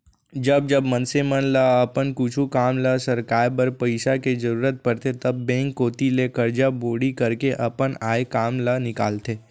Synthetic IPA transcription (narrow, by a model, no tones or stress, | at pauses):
d͡ʒɐb̚d͡ʒɐbmə̃nsemənlɐɐpənkʊt͡ʃʰukaːmlɐsɐɾkaːɾpəɾpɐɪʃaked͡ʒɐɾuːɾət̪̚pɐɾt̪et̪ɐbːɛ̃ːŋkːoːt̪ilekɐɾd͡ʒaboːɽikɐɾkeʔɐpənaːekaːmlɐnɪka̰ːlt̪eː